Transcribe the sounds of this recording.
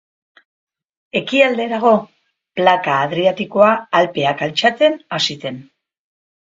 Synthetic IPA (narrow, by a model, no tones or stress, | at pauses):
e̞kiald̪e̞ɾaɣ̞o̞ | plakaːðɾiat̪iko̞aːlpe̞akalt͡ʃat͡se̞nasit̪e̞n